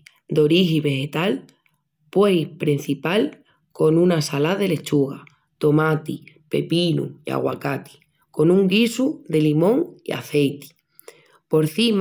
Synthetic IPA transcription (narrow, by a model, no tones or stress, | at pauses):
d̪o̞ɾiɦiβe̞he̞t̪al | pwe̞jpɾin̟θipal | ko̞nũnasalaðe̞le̞t͡ʃuɣa | t̪o̞mat̪ipe̞̰pinṵia̰ɣwakat̪i̥ | ko̞nũŋɡisud̪e̞limõ̞ŋḭa̰θe̞jt̪i̥ | po̞ɾθim